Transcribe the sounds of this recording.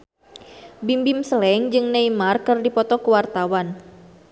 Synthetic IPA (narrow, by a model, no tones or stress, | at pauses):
bimbimsəlɛŋd͡ʒɨŋneimarkɨrdipɔt̪ɔkuwart̪awan